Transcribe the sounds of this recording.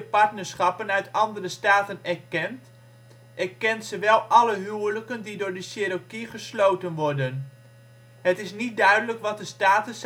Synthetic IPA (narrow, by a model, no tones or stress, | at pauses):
əpɑɹtnəɹsχɑpənœɥtɑndərəstaːtənɛɹkɛnt | ʔɛɹkɛntsəʋɛlˠʔɑləɦywələkəndidʊːɹdəʃeɾokiχəslowtənʋɔɹdən | ɦətɪsnit̚dœɥdələkʋɑt̚dəstaːtəs